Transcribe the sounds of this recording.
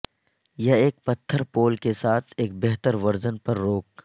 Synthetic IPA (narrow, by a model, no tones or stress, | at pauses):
jɐeːk̚pɐt̪ʰːəɾpoːlkesaːt̪ʰeːk̚bɛɦt̪əɾʋɐɾzənpɐɾːoːk